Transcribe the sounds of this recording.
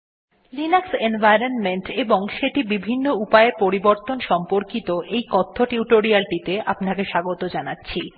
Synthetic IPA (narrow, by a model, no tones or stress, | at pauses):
linaksenbajɾonmeɳʈeboŋʃeʈibibʱinːoupaeɾpoɾiboɾt̪onʃɔmpoɾkit̪oʔejkɔt̪ʰːoʈiuʈoɾialʈit̪eapnakeʃaɡot̪od͡ʑanatːɕʰi